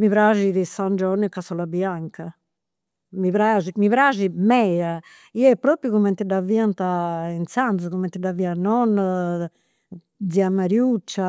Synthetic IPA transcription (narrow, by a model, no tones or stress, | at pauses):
miβɾaʒiðisand͡ʒɔnːəkasɔlabjaŋka | miβɾad͡ʒimiβɾaːʒimɛa | iɛpːɾoːpɾjukumɛnt̪id̪aviant̪aint̪sanzukumɛnt̪id̪avianɔn | d̪ziamaɾjut͡ʃːa